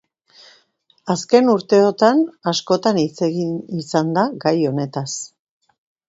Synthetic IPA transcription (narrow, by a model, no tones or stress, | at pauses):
aske̞nuɾt̪e̞o̞t̪anasko̞t̪anit͡seɣinisand̪aɡajo̞ne̞t̪as